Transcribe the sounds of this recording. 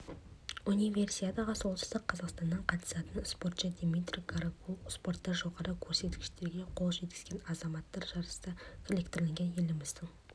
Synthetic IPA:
unijvʲe̞rsijad̪ɑʁəso̞lˠsə̥zd̪əqʰːɑzɑqst̪ɑnːəɴqʰɑt̪ə̥sɑt̪ənspo̞ɾt̪ʃɑd̪emit̪ɾʲiɡɑɾakuspo̞rt̪ːɑʒo̞ʁɑɾəkʲʰɵɾse̞t̪kʲɪ̥ʃt̪e̞ɾɡʲe̞qʰo̞lˠʒe̞t̪̚kʲɪ̥zɡʲe̞nɑzɑmɑt̪ːɑɾʒɑɾəst̪ɑkʰolekt̪ɪɾleŋʲɡʲe̞nje̞lɪmɪzd̪ɪŋ

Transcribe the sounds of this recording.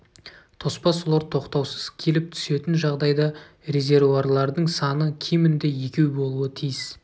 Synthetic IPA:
t̪ʰo̞spɑsulˠɑɾt̪ʰo̞qt̪ɑwsəz̥kʲʰe̞lɪp̚t̪ʰʏ̥se̞t̪ɪnʒɑʁd̪ɑjd̪ɑ | re̞zʲe̞ɾvuarlˠɑɾd̪əɴsɑnəkʲʰijmɪnd̪e̞je̞kʲe̞wbo̞lˠuət̪ʰijs

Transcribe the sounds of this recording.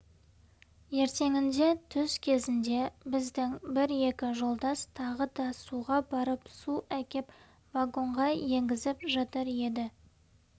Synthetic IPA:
je̞ɾt̪e̞ŋɪnd̪e̞t̪ʰʏz̥kʲʰe̞zɪnd̪e̞bɪzd̪ɪŋbɪɾe̞kʲɪʒo̞lˠd̪ɑst̪ʰɑʁəd̪ɑsuʁɑbɑɾəpsuækʲep | vaɡo̞ɴʁɑje̞ŋɡʲɪzɪpʒɑt̪əɾe̞d̪ɪ

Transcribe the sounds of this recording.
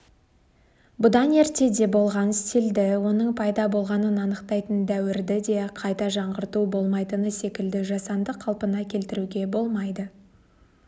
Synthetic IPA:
bʊd̪ɑne̞ɾt̪e̞d̪e̞bo̞lˠʁɑnɪst̪eld̪ɪwo̞nəɴpʰɑjd̪ɑbo̞lˠʁɑnənɑnəqt̪ɑjt̪ənd̪æwɪɾd̪ɪd̪e̞qʰɑjt̪ɑʒɑɴʁəɾt̪ubo̞lˠmɑjt̪ənəse̞kʲɪld̪ɪʒɑsɑnd̪əqʰːɑlˠpənɑkʲʰe̞lt̪ɪɾuɡʲe̞bo̞lˠmɑjd̪ə

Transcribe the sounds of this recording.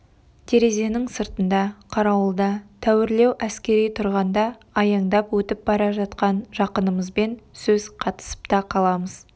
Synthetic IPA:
t̪ʰe̞ɾe̞ze̞nɪŋsəɾt̪ənd̪ɑqʰɑɾɑwəlˠd̪ɑt̪ʰæwɪɾle̞wʔæskʲe̞ɾijt̪ʰʊɾʁɑnd̪ɑː | jɑɴd̪ɑpwɵt̪ɪp̚bɑɾɑʒɑt̪̚qɑnʒɑqənəməzbe̞nsɵzqʰɑt̪ə̥sə̥pt̪ɑqʰɑlˠɑməz̥

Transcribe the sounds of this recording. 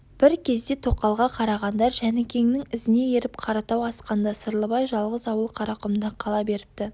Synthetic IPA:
b̥ɪɾkʲʰe̞zd̪e̞t̪ʰo̞qːɑlˠʁɑqʰɑɾɑʁɑnd̪ɑɾʒænɪkʲʰe̞ŋnɪŋɪzɪne̞je̞ɾɪp̚qʰɑɾɑt̪ɑwɑsqɑnd̪ɑsəɾlˠəbɑjʒɑlˠʁəzɑwəlˠqʰɑɾɑqəmd̪ɑqʰɑlˠɑbe̞ɾɪp̚t̪ɪ

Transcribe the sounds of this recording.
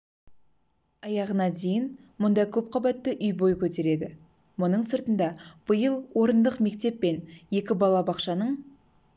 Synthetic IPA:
ɑjɑʁənɑd̪e̞jɪn | mʊnd̪ɑjkʲʰɵp̚qʰɑbɑt̪ːɪʔʏjbo̞jkʲʰɵt̪e̞ɾe̞d̪ɪ | mʊnəɴsəɾt̪ənd̪ɑb̥əjəlˠwo̞ɾənd̪əqme̞k̚t̪e̞pːe̞nje̞kʲɪbɑlˠɑbɑqʃɑnəɴ

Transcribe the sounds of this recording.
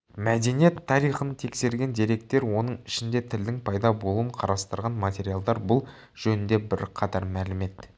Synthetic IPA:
mæd̪e̞nije̞t̪ʰːɑɾijχənt̪ʰe̞kse̞ɾɡʲe̞nd̪iɾe̞k̚t̪e̞ɾwo̞nəɴɪʃɪnd̪e̞t̪ʰɪld̪ɪŋpʰɑjd̪ɑbo̞lˠuəɴqʰɑɾɑst̪əɾʁɑnmɑt̪ʲe̞ɾijalˠd̪ɑɾbʊlˠ | ʒ̥ɵnɪnd̪e̞bɪɾqʰɑt̪ɑɾmælɪme̞t̪

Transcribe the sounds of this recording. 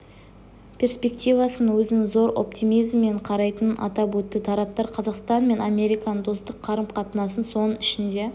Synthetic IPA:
pʲʰe̞rspʲe̞k̚t̪ʲijvɑsənwɵzɪnɪzo̞ɾʔo̞̰pt̪imijzmːe̞ɴqʰɑɾɑjt̪ənɑ̰t̪ɑpwɵt̪ːɪt̪ʰɑɾɑp̚t̪ɑɾqʰɑzɑqst̪ɑnme̞nɑmʲe̞ɾijkɑnd̪o̞st̪əqʰːɑɾəmqʰɑt̪ənɑsənso̞nəɪʃɪnd̪e̞

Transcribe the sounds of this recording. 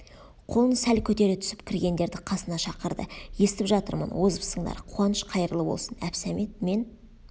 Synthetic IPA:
qʰo̞lˠənsælkʲʰɵt̪e̞ɾet̪ʰʏ̥sɪpkʲʰɪɾɡʲe̞nd̪e̞ɾd̪ɪqʰɑsənɑʃɑqəɾd̪ə̰je̞st̪ɪpʒɑt̪əɾmə̰nwozəpsəɴd̪ɑ̰ɾqʰuwɑnəʃqʰɑjɾəlˠəbo̞̰lˠsənæ̰psæmet̪̚me̞n

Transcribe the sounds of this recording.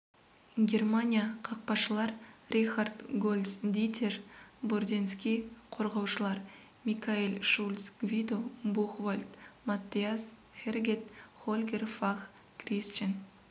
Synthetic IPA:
ɡʲe̞rmanʲijaqʰɑq̚pɑʃəlˠɑɾrʲixard̪ɡolʲˠd̪sd̪it̪ʲʰerbord̪ʲenskʲijqʰo̞ɾʁɑwʃəlˠɑɾ | mʲikailʲʃulʲsɡvʲid̪obuχvalʲt̪mat̪ʲːias | χʲerɡʲet̪χolʲɡʲerfaχ | krist͡ʃen

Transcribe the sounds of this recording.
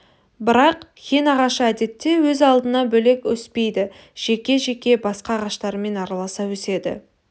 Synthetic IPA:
bɪɾɑqkʲʰenɑʁɑʃəæd̪e̞t̪ːe̞wɵzɑlˠd̪ənɑbɵle̞kʲwɵspe̞jd̪ɪ | ʒ̥e̞kʲe̞ʒe̞kʲe̞bɑsqɑʁɑʃt̪ɑɾəme̞nɑɾɑlˠɑsɑwɵse̞d̪ɪ̰

